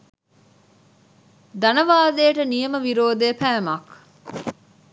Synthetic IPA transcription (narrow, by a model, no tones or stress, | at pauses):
d̪ɐnɐʋaːdeːʈənijɐməʋiɾoːd̪eːpæːmɐk